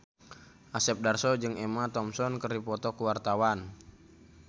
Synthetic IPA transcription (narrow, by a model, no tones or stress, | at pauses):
ʔasɛp̚darsɔd͡ʒɨŋɛmat̪ɔmsɔnkərdipɔt̪ɔkuwart̪awan